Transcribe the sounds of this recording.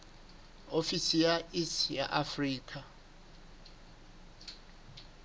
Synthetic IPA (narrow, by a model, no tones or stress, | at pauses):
ofisijaʔisja̰ʔafriːkʰa